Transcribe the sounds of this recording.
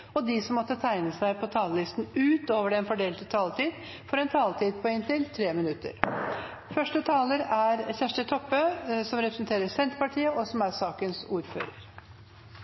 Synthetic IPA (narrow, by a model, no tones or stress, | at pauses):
ɔd̪ɪsɔmːɔt̪ːət̪ʰæɪnəsæɪpʰɔt̪ʰɑːləlɪst̪n̩ʉːt̪oːʋəɖɛnfɔɖeːlt̪ət̪ʰɑːlt̪iːd̪ | fɔɾɛnt̪ʰɑːlt̪iːd̪pʰɔɪnt̪ɪlt̪ʰɾeːmɪnʉt̪ːə̰ɾ | fœʂʈət̪ʰɑːləɾæɾçæʂʈət̪ʰɔpːøsɔmɾɛpɾəsnt̪ʰeːɾəsɛnt̪pɑʈʰiːəʔɔsɔmæɾsɑːkənsuːɾfø̰ːɾəɾ